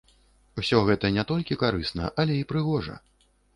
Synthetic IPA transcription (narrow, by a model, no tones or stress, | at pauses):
wsʲɔɣɛt̪ɐnʲɛt̪ɔlʲkʲikaɾɨsnɐ̰ʔɐlʲɛipɾɨɣɔʐɐ̰